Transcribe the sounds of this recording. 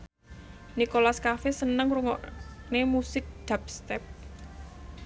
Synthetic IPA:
nikolaskafesənəŋruŋɔ̰ʔnemusɪk̚d̪̥ä̤p̚st̪ɛp̚

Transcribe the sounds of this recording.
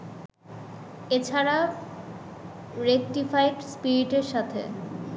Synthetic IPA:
et͡ɕʰaɾa | ɾek̚ʈifajɖspiɾiʈeɾʃat̪ʰḛ

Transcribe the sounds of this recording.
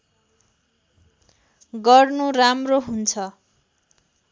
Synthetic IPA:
ɡʌrnuramroɦunt͡sʰʌ

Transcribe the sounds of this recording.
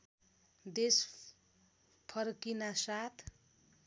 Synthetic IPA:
d̪es | pʰʌrkinasat̪ʰ

